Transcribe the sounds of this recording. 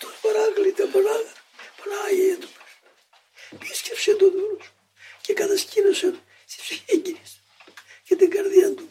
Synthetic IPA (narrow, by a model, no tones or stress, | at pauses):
t̪onpɐɾɐɣlit̪ɐpɐnɐɣpɐnɐʝejɐt̪ups | piscepsent̪oðulos | cekɐt̪ɐscinosɐn | st̪i̥spsiçeɲɟiɾis | cet̪iŋɡɐɾðjɐnt̪u